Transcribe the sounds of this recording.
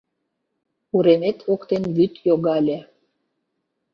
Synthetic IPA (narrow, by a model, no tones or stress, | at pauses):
uɾemet̪ʰokt̪enβyt̪joɣɑlʲe